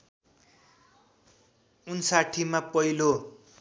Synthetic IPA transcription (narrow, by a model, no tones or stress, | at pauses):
unsaʈʰimapʌilo